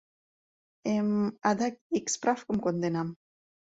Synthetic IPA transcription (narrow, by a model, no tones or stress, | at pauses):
emad̪akikspɾafkomkond̪enam